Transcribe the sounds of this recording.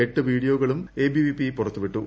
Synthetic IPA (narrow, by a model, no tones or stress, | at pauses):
eʈːɨʋiːɽijoːɣɐɭumeːbiʋipipurɐt̪ːuʋiʈːu